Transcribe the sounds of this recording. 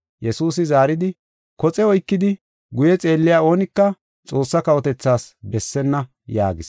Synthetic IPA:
jɛsuːsɪzaːɾɪd̪ɪ | kɔt͡sʼɛɔjkːɪd̪ɪ | ɡʊjɛt͡sʼe̞ːlːɪjaːo̞ːnɪkːɐ | t͡sʼo̞ːsːɐkɐwɔt̪ɛt͡sːaːsbɛsːɛnːɐ | ja̰ːɡɪs

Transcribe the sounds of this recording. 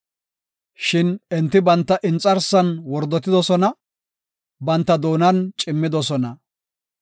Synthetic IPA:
ʃɪnɛnt̪ːɪbɐnt̪ːɐʔɪnt͡sʼːɐɾsɐnwɔɾd̪ːɔt̪ːɪd̪ɔsɔnɐ | bɐnt̪ːɐd̪o̞ːnɐnt͡ʃʼɪmːɪd̪ɔsɔnɐ

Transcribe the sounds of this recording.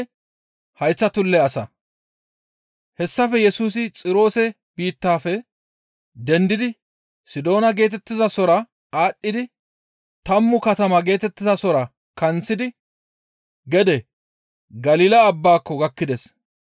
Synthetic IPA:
hɐjt͡sːɐt̪ʊlːɛɐsɐ̰ | hɛsːɐfɛjɛsuːsɪt͡sʼɪɾo̞ːsɛ | biːt̪ːaːfɛ | d̪ɛnd̪ɪd̪ɪ | sɪd̪o̞ːnɐɡe̞ːt̪̬ɛt̪ːɪzɐsɔɾɐ | aːɗːɪd̪ɪ | t̪ɐmːʊkɐt̪ɐmɐɡe̞ːt̪ɛt̪ːɪzɐsɔɾɐ | kɐnt͡sːɪd̪ɪ | ɡɛd̪ɛ | ɡɐliːlɐːbːaːkːɔɡɐkːɪd̪ɛs

